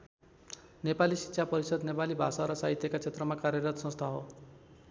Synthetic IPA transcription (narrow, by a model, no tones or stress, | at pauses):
nepalisi̥tːʃʰapɔɾisʌd̪nepalibʱa̰saɾɔsaɦit̪jekat͡ʃʰet̪ɾɔmakaɾjʌɾɔt̪sɔ̃st̪ʰaɦo